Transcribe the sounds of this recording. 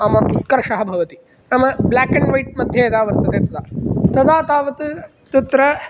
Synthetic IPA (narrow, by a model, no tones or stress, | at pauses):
ɐmɐʔut̪̚kɐɾɐʃɐɦɐbʱɐʋɐt̪i | nɐmɐblaːkɐnɖʋɐjʈ̚mɐd̪ʱjɐːd̪aːʋɐɾt̪ɐd̪eːt̪ɐd̪aːt̪ɐd̪aːt̪aːʋɐt̪ | t̪ɐt̪ɾɐ